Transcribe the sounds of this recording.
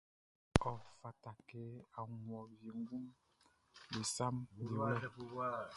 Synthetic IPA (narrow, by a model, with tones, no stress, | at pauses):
ɔ˨fa˨ta˨ke˨˦a˨ŋwɔ˨bje˨ŋ˦ɡu˦m | bi˨sa˦mbi˨wɛ˦